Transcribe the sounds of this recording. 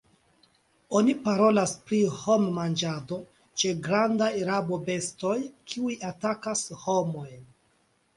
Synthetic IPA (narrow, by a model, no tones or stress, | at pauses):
o̞nipaɾo̞laspɾiho̞mːand͡ʒado̞ | t͡ʃe̞ɡɾandajɾabo̞be̞sto̞jkʰiujatakasho̞mo̞jn